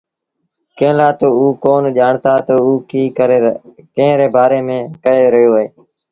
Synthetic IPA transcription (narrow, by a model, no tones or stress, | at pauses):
kə̃ːlaːt̪oːuːkoːnʄaːɳt̪aːt̪əuːkiː | kə̃ːɾeːbaːɾeːmẽːkəeːɾəɦjoːɦeː